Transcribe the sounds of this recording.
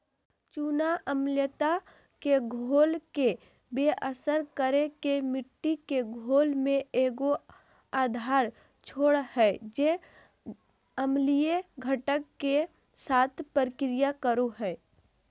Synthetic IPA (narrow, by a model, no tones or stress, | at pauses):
t͡ʃuːnaʔəmljət̪a | keɡʱoːlke | beːʔəsəɾkəɾekemɪʈːikeɡʱoːlmẽeːɡo | aːd̪ʱaːɾ | t͡ʃʰoːɽhɛd͡ʒe | əmlijeɡʱəʈəkːe | saːt̪ʰpəɾɪkɾɪjakəɾoɦɛː